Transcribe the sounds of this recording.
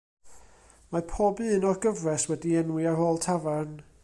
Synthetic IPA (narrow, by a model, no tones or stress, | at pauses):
mapʰɔːbɨːnɔrɡəvrɛswɛdiɛnwɪarhoːlˠtʰavan